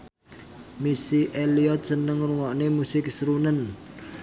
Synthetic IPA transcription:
misiʔeliɔt̪̚sənəŋruŋɔʔnemusɪk̚sɾunən

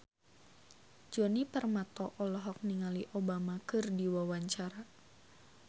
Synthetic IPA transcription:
d͡ʒɔnipərmat̪ɔʔɔlɔɦɔk̚niŋaliʔobamakɨrdiwawaɲt͡ʃaɾa

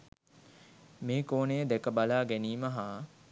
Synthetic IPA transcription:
meːkoːnejəd̪ɛkəbalaːɡæniːməɦaː

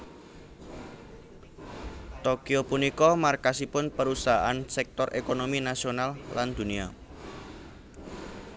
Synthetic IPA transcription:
t̪okiopunikɔmarkasipʊnpəɾusaɦaʔansɛk̚t̪ɔrʔekonominasionalːand̪̥ṳnia̰

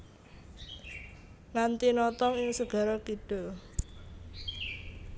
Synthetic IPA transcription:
ŋant̪inɔt̪ɔŋɪŋsəɡ̥ä̤ɾɔkiɖ̥o̤

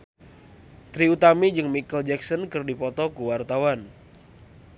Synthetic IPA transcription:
t̪ɾiut̪amid͡ʒɨŋmikəld͡ʒɛksɔnkɨrdipɔt̪ɔkuwart̪awan

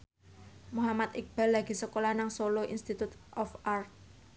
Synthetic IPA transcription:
muɦamat̪ɪk̚b̥alːaɡ̥i̤səkolanaŋsoloʔḭnst̪it̪ut̪ʔɔfʔart̪̚

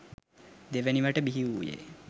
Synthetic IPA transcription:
d̪eʋəniʋaʈəbiɦiʋujḛ

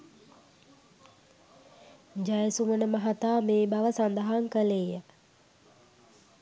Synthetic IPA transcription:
d͡ʒajəsumənəmɐɦat̪aːmeːbaʋəsand̪əɦaŋkəlejə

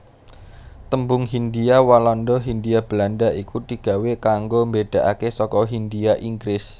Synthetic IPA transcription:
t̪əmbʊŋɦind̪iawalɔnd̪ɔɦind̪iab̥əlandaʔikut̪iɡ̥a̤wekaŋɡombeɖ̥a̤ʔa̰kesɔkɔɦind̪iaʔiŋɡɾɪs

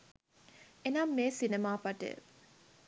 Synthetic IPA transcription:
enamːeːsinemaːpɐʈḛ

